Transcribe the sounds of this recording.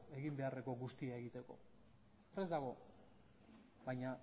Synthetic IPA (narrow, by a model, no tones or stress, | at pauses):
e̞ɣimbe̞are̞ko̞ɣust̪iae̞ɣit̪e̞ko̞̰ | pɾe̞zd̪aɣ̞o̞ | bajɲa